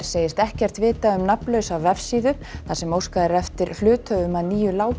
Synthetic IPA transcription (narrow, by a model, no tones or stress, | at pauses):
seːjɪst̪ɛhcɛr̥t̪vɪːt̪aʏmnapnlœɥsavɛfsiːðʏ | θasɛmowskaðɪɾɛft̪ɪɾ̥flʏːt̪ʰœvʏmaðniːjʏlaːw